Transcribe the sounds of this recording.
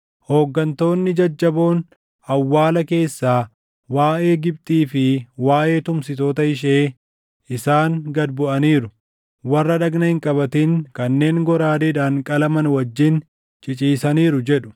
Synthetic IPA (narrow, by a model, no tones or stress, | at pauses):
ho̞ːɡːɐnt̪o̞ːnːɪd͡ʒɐd͡ʒːɐbo̞ːn | ɐwːaːlɐke̞ːsːaː | waːʔe̞ːɡɪb̚t̪ʼiːfɪwaːʔe̞ːt̪ʊmsɪt̪o̞ːt̪ɐɪʃ̬eː | ɪsaːŋɡɐd̪bʊʔɐniːɾʊ | wɐrːɐᶑɐɡnɐhɪŋkʼɐbɐt̪iŋkɐnːe̞ːŋɡɔɾaːd̪ɛᶑaːŋkʼɐlɐmɐnwɐd͡ʒːɪn | t͡ʃʼɪt͡ʃʼiːsɐniːɾʊd͡ʒɛᶑʊ̥